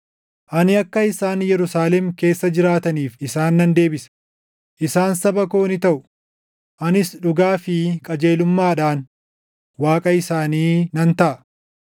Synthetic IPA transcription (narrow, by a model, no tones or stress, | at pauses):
ʔɐnɪɐkːɐɪsaːnjɛɾʊsaːlɛmke̞ːsːɐd͡ʒɪɾaːt̪ɐniːfɪsaːnːɐnd̪e̞ːbɪsɐ̥ | ʔɪsaːnsɐbɐko̞ːnɪt̪ɐʔʊ | ʔɐnɪsᶑʊɡaːfɪkʼɐd͡ʒe̞ːlʊmːaːᶑaːn | waːkʼɐɪsaːniːnɐnt̪ɐʔɐ